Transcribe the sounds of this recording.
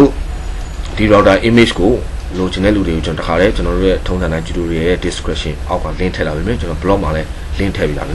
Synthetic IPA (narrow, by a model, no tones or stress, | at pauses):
o̰ | d̥iɹaʊtaʔimed͡ʑɡo | lod͡ʑɪ̃nɛ̰luɾeɡot͡ɕə̃nɔəaɾɛt͡ɕənɔɾo̰jɛtʰõnʰtʰããɪ̃t͡ɕutoɹeajɛdɪskɹɛʔʃɪ̃ʔaʊkːãl̥ɪ̃ntʰɛ̰labemɛ̃t͡ɕənɔobəlɔʔmalɛ | l̥ɪ̃ntʰɛ̰pila̰bem